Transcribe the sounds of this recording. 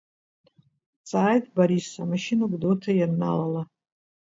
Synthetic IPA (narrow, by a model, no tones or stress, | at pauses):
t͡sʼaːjtʼbaɾisamaʃinaɡʷʼdotʰajarna̰lala